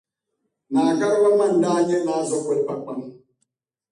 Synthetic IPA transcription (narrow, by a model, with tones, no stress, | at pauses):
maː˨ka˦ɾa˦ba˦ma˦˨n̩˨daː˦ɲɛ˦laː˦zɔ˦kɛ˦lpa˨k͡pa˨ŋ